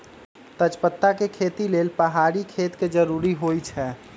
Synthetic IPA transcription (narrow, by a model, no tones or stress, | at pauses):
t̪ət͡ʃpət̪ːakekʰet̪ilelpəɦaɾikʰet̪ked͡ʒəɾuɾiɦojt͡ʃʰɛ